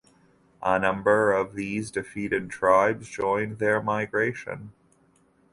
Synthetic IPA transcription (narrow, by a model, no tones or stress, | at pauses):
ʔənʌ̃mbə˞ʌvðizdɨfiɾɨd̚tʰɹ̥aɪbzd͡ʒɔ̃ɪ̃nðə˞maɪɡɹeɪʃɨ̰̃n